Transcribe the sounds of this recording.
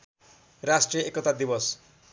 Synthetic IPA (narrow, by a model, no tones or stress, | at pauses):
rasʈrijʌʔekʌt̪ad̪ibʌs